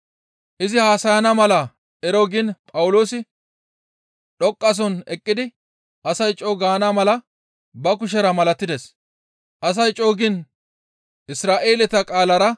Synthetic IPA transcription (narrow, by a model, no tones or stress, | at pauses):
ʔɪzɪhaːsɐjɐnɐmɐlɐ | ʔɛɾoɡɪnpʼɐwʊlo̞ːsɪ | ɗɔkʼːɐs̬ɔnɛkʼːɪd̪ɪ | ʔɐsɐjt͡ʃʼoːɡaːnɐmɐlɐ | bɐkʊʃ̬ɛɾɐmɐlɐt̪ːɪd̪ɛs | ʔɐs̬ɐjt͡ʃʼoːɡɪn | ɪsɾaːʔeːlɛt̪ɐkʼaːlɐɾɐ